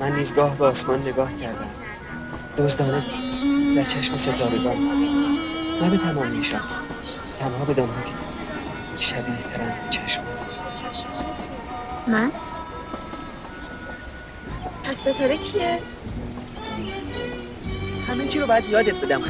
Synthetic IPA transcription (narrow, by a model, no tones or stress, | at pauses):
mænːiːzɡɒːhbeɒːsmɒːnːeɡɒːhcʰæɾd̪æm | d̪̥ozd̪ɒːned̪æɾt͡ʃʰæʃmeset̪ɒːɾed̪ɒːt̪ʰ | næbet̪ʰæmɒːmːiːʃæm | t̪ʰænhɒːbed̪ɒnhɒːkʰe | ʃæbiːht̪ʰæɾæːnt͡ʃʰæʃmu | mæn | pʰæsːet̪ʰoɾet͡ʃʰie | hæmet͡ʃʰiɾobɒːjæd̪jɒːd̪et̪̚be̞d̪æm